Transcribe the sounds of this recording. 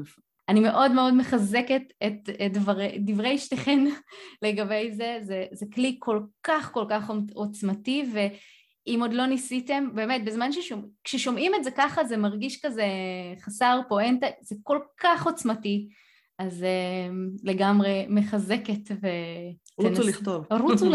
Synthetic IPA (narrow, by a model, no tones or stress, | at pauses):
animeʔo̞dme̞o̞dmeχazeketetdvaʁedivʁejʃteχenle̞ɡabe̞jze̞zezeklikʰo̞lkaχko̞lkaχot͡smative̞ | imo̞d̪lo̞nisite̞mbe̞ːmet̚bezmanʃeʃomkʃeʃo̞mʔimetzekaχazemaʁɡiʃkazeχasaʁpo̞entez̥eko̞lkaχo̞t͡smati | azemle̞ɡamʁe̞meχaze̞ketve | nuliχtovʁut͡su